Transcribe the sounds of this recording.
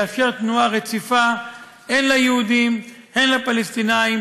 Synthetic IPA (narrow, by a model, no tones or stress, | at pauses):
afkeʁt̪nuaʁet͡sifa | enlajehud̪im | he̞nlapalest̪inaim